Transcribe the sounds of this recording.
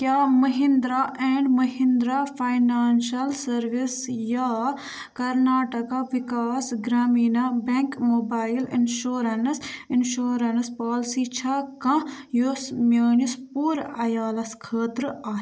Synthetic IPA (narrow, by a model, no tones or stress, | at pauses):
kjaːmɐɦĩnd̪ɾaːʔeːɳɖmɐɦĩnd̪ɾapʰaːjnaːnʃɐlsɐɾʋisjaː | kɐɾnaːʈɐkaʋikaːsɡɾaːmiːnabẽŋkmoːbaːilɪ̰nʃoːɾɐnsɪnʃoːɾɐnspaːlsiːt͡ʃʰakɐ̃josmjaːnispuːɾɐjaːlɐskʰəːt̪ɾaː